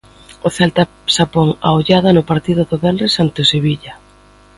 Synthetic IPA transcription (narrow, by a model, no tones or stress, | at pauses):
oθɛlt̪a | sapoŋa̰oʎaðɐnʊpaɾt̪iðʊðoβɛndesant̪ʊseβiʎɐ